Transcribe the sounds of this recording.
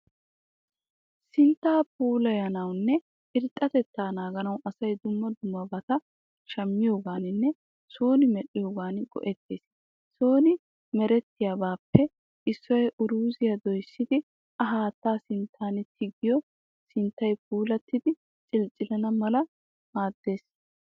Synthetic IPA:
sɪnt̪ːaːpuːlɐjɐnɐwnːɛ | ɪɾt̪ʼːɐt̪ɛt̪ːaːnaːɡɐnɐwʔɐsɐjd̪ʊmːɐd̪ʊmːɐbɐt̪ɐ | ʃɐmːɪjo̞ːɡaːnɪnːɛ | so̞ːnɪmɛɗɪjo̞ːɡaːnɡɔ̰ʔɛt̪ːeːs | so̞ːnɪ | mɛɾɛt̪ːɪjaːbaːpːɛ | ʔɪsːɔjʔʊɾuːzɪjɐd̪ɔjsːɪd̪ɪ | ɐɦaːt̪ːaːsɪnt̪ʰːaːnt̪ʰɪɡɪjɔ | sɪnt̪ːɐjpuːlɐt̪ːɪd̪ɪ | t͡ʃʼɪlt͡ʃʼːɪlɐnɐmɐlɐ | maːd̪̥ːe̞ːs

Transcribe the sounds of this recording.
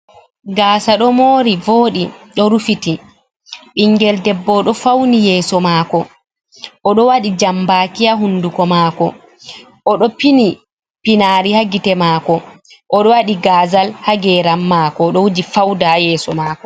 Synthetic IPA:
ɡaːsaɗɔmoːɾivoːɗiɗɔɾufiti | ɓiŋɡɛldɛbːɔɗɔfawnijɛːsɔmaːkɔ | ʔɔɗɔwaɗid͡ʒambaːkijaɦunːdukɔmaːkɔ̰ | ʔɔɗɔpini | pinaːɾihaɡitɛmaːkɔ | ʔɔɗɔwaɗiɡaːzalhaɡɛɾamːaːkɔɗɔwud͡ʒifawdajɛːsɔmaːkɔ

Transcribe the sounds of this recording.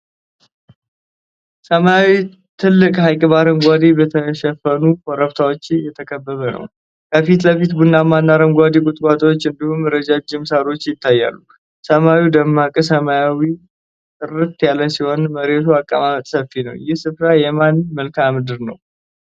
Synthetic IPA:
səmajawi | t̪ʰɨlːɨkʼɦajkʼɨβaɾəmɡʷad̪ibət̪ʰəʃɛfənukoɾəβt̪ʰawo̞t͡ʃːɪjɛt̪ʰəkʼʰəbːəβənə̰w | kʰəfit̪ləfit̪bunːamanːaɾəmɡʷad̪ikʼʊt̪ʼkʷʼat̪ʼwo̞t͡ʃːɨnd̪ihumɨɾəd͡ʒad͡ʒːɪmsaɾo̞t͡ʃːjɪt̪ʰːajːa̰lːu | səmawid̪əmːakʼɨsəmajawi | t̪ʼɨɾɨt̪jaləsihonməɾet̪ʰuakʼːəmamət̪ʼsəfinə̰wjɪhsɨfɾajɛmanməlkʰamɨd̪ɨɾnə̰w

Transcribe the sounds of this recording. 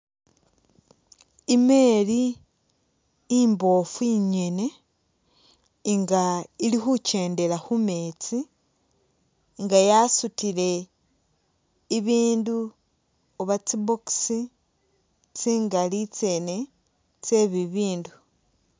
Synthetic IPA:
ime̞li | imbo̞fuiɲe̞ne̞ | ŋɡailixuce̞ːnde̞laxume̞t͡si | ŋɡajasutile̞ | iβiːndu | oβat͡siboksi | t͡siːŋɡalit͡se̞ːne | t͡se̞βiβiːndu

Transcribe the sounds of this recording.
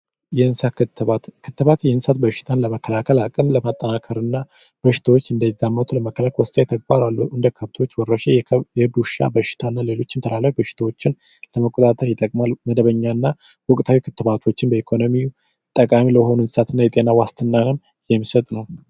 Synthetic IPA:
jɛɨnsa | kʰɨt̪ːɨβat̪jɛnsat̪̚bəʃɪ̥t̪ʰanləməkːəlakʰəlakʼɨnləmat̪ʼːənakʰəɾɨnːa | b̥əʃɪ̥t̪ʰawot͡ʃːɨnd̪əjzamːot̪ʰuləməkʰːəlakʰwɔst̪ʼajt̪ʰəɡ̚baɾalːuʔɨnd̪əkʰəβt̪ʰwot͡ʃːwɔrːəʃejɛd̪uʃa̰bəʃɪ̥t̪ʰanːale̞lo̞t͡ʃːɪnt̪ʰəlalafbəʃɪ̥t̪ʰawo̞t͡ʃːɪn | ləməkʼot̪ʼat̪ʼəɾjɛt̪ʼːəkʼmalməd̪əβəɲːanːa | wɔkʼt̪ʰawikʰɨt̪ːɨβat̪ʰo̞t͡ʃːɪnbəikʰo̞nomiju | t̪ʼːəkʼamiləho̞nunsat̪ʰɨnːajɛt̪ʼenawast̪ʰɨnːanɨm | jɛmːisət̪ʼnəw

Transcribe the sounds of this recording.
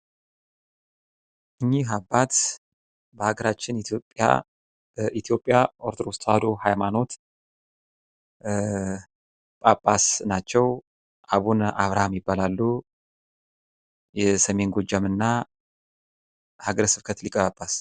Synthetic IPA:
ʔɨɲːiɦabːat̪ | bəhaɡəɾat͡ʃːɪnit̪ʰopʼːja̰ | ʔit̪ʰjo̞pʼːjaʔoɾt̪ʰɾost̪ʰʼad̪ohajmano̞t̪ | pʼapʼːasnat͡ʃːɛw | ʔaβunʔaβɾahamjɪbːalalːu | jɛsəme̞nɡo̞d͡ʒːamɨnːa | haɡəɾsɨ̥kʰət̪likʼəβapʼːas

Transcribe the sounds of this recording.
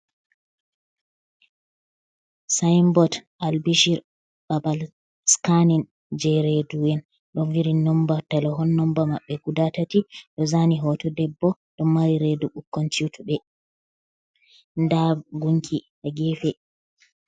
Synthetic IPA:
sajmbɔtʔalbiʃiɾ | babal | skanin | d͡ʒɛɾedujɛn | ɗɔnwiɾinɔmbatalɔɦɔnːɔmbamaɓːɛɡudatatiɗɔzaniɦɔtɔdɛbːɔ | ɗɔmmːaɾiɾeduɓukːɔnt͡ʃutuɓɛ | ndaɡuŋkʰi | aɡɛfɛ

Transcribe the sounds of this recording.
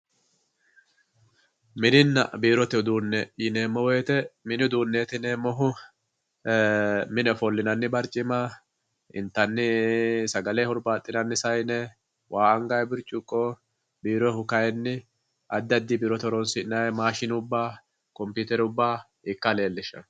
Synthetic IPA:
mɪnɪnːɐ̰biːɾɔt̪ɛd̪uːnːɛɪne̞ːmːɔweːt̪ɛmɪnɪd̪uːnːeːt̪ɪne̞ːmːɔɦʊ | mɪnɛfɔlːɪnɐnːɪbɐɾt͡ʃʼɪmɐ | ɪ̰nt̪ːɐnːɪsɐɡɐlɛhʊɾbaːt̪ʼːɪnɐnːɪsɐjnɛ | wʔaːɐŋɡajbɪɾt͡ʃʼːʊkʼːɔ | biːɾɔhʊkɐjɛnːɪ | ʔɐd̪ːɐd̪ːɪbiːɾɔt̪ɔɾɔnsɪnɐjɛmaːʃɪnʊbːaː | kɔmpuːt̪ɛɾʊbːaː | ɪkːɐle̞ːlːɪʃɐ̰

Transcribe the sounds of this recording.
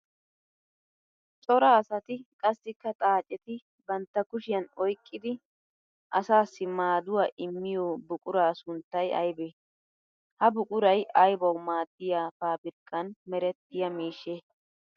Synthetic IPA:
t͡sʼɔɾɐːsɐt̪ɪkʼɐsːɪkːɐt̪ʼaːt͡ʃʼɛt̪ɪ | bɐnt̪ːɐkʊʃɪjɐnɔjkʼːɪd̪ɪ | ʔɐsaːsːɪmaːd̪ʊwaːʔɪmːɪjobʊkʼʊɾaːsʊnt̪ːɐjɐ̰jbe | hɐbʊkʼʊɾɐjʔɐjbɐwmaːt̪ʼːɪjaːfaːbɪɾkʼːɐnmɛɾɛt̪ːɪjɐmiːʃːe

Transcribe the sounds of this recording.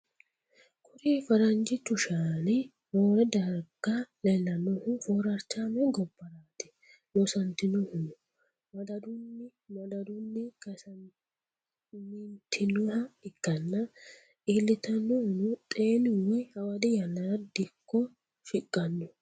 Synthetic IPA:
kʰʊɾiːfɐɾɐnd͡ʒɪt̪ʊʃaːnɛ | woːɾɛd̪ɐɾɡ̥alɛlːɐnːɔhʊfoːɾɐɾt͡ʃːamɛɡɔbːɐɾaːt̪ɪ̥ | lɔsɐnt̪ɪnɔhʊnʊ | mɐd̪ɐd̪ʊnːɪ | mɐd̪ɐd̪ʊnːɪkɐsɐ | mɪnt̪ʰːɪnɔhɐɪkːɐnːɐ | iːlːɪt̪ɐnːɔhʊnʊt̪ʼeːnɪwɛhɐwɐd̪ɪjɐlːɐɾɐd̪ɪkːɔ | fɪkʼːɐnːɔ

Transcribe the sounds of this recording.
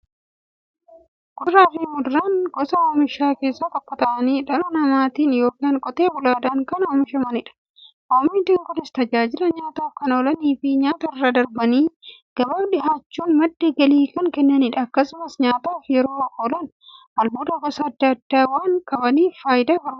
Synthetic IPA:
ɡ̥ʊɾaːfiːmʊd̪ʊɾaːŋɡɔsɐoːmɪʃaːke̞ːsːɐt̪ɐpːɐt̪ɐʔɐniːᶑɐlɐnɐmaːt̪iːnjoːkaːŋkʼɔt̪eːbʊlaːd̪aːŋkɐnoːmɪʃɐmɐnɪᶑɐ̥ | ʔoːmiːnt̪ɪŋkʼɔnɪst̪ɐd͡ʒaːd͡ʒɪlɐɲaːt̪aːfkɐnoːlɐniːfɪɲaːt̪ɐɪrːad̪ɐɾbɐniːɡ̥ɐbaːbᶑɪɦaːt͡ʃːuːnmɐd̪ːeːɡɐliːkɐŋkɛnːɐnɪᶑɐɐkːɐsʊmɐsɲaːt̪aːfjɛɾo̞ːɐkːoːlɐn | ɐlboːd̪ɐɡɔsɐːd̪ːɐɐd̪ːaːwaːŋkʼɐbɐniːfaːjɪd̪aːhɔɾm

